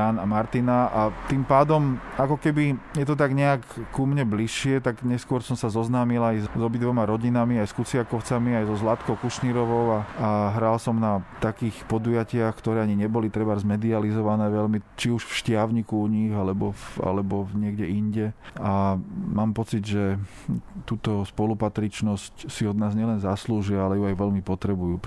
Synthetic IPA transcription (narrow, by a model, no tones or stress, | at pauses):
anamaɾt̪inaʔat̪impaːd̪ɔmakɔkɛbijɛt̪ɔt̪̬aɡɲɛakkumɲɛbliʃːɪɛt̪aɡɲɛskʊɔɾsɔmsazɔznaːmilajzɔbid̪ʋɔmaɾɔɟinamiajskut͡sɪakɔʊt͡samiajzɔzlat̪kɔʊkuʃniːɾɔʋɔʊaaɦɾaːlsɔmnat̪akiːxpɔd̪ujacɪaxkt̪ɔɾɛːaɲiɲɛbɔlit̪ɾɛbazmɛd̪ializɔʋanɛːʋɛʎmit͡ʃiuʃfʃcɪaʊɲikuuɲiɣalɛbɔa̰lɛbɔɲɪɛɡɟɛinɟɛamaːmpɔt͡sid̪ʒɛ | t̪uːt̪ɔspɔlupat̪ɾit͡ʃnɔscsiɔd̪naːzɲɪɛlɛnzasluːʒiaalɛjuajʋɛʎmipɔt̪ɾɛbujuː